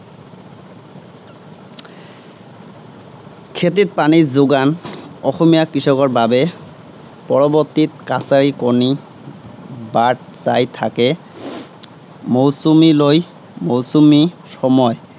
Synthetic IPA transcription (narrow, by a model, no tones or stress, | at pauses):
kʰet̬it̚panizoɡanɔxɔmijakɹisɔkɔɹbabɛ | pɔɹɔbɔtːit̚kasaɹikɔɹni | baʈ̚zajt̪ʰakɛ | mowsumiloj | mowsumi | sɔmɔj